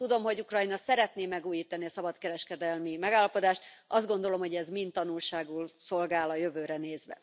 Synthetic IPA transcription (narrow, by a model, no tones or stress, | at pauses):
t̪ud̪o̞mɦo̞ɟukrɒinɒsɛɾɛt̪neːmɛɡuːjiːt̪ɒniɒsɒbɒt̪kɛɾɛʃkɛd̪ɛlmimɛɡaːlːɒpo̞d̪aːʃt̪ʔɒzd̪ɡo̞nd̪o̞lo̞mho̞ɟɛzmint̪ːɒnulʃaːɡulso̞lɡaːlɒjøvøːɾɛneːzʋɛ̰